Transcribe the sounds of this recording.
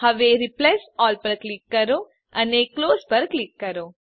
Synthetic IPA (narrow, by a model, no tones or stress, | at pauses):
hɐʋeːɾiplesɔːlpɐɾklikːɐɾo | ɐneːkloːspɐɾklikːɐɾo